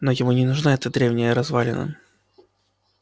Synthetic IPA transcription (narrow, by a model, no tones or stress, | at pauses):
nojɪmunʲɪnʊʐnaɛt̪əd̪ɾʲevnʲɪjəɾɐzvalʲɪ̰nə̰